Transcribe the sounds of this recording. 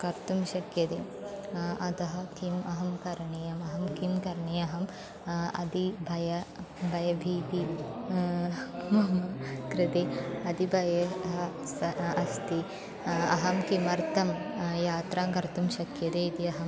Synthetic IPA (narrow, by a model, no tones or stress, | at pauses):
kɐɾt̪umʃɐkjɐd̪eː | ɐd̪ɐɦɐkʰimɐɦɐmkɐɾɐɳijɐmɐɦɐmkimkɐɾɐɳeːɐɦɐm | ɐ̰d̪ibʱɐjɐbʱɐjɐbʱiːp̪i | mɐmɐkɾɪt̪eːɐd̪ibʱɐjɐɦɐ | sɐɐst̪i | ɐɦɐmkimɐɾt̪ʰɐmjaːt̪ɾaːŋkɐɾt̪umʃɐkjɐd̪eːit̪iɐɦɐm